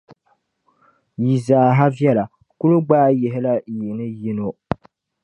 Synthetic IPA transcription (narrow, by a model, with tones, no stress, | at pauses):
ji˨zaː˨ɦa˦vjɛ˦la˨ | ku˦lu˦ɡ͡baː˦je˨ɦɪ˦la˦˨ji˨nɨ˦ji˦no˦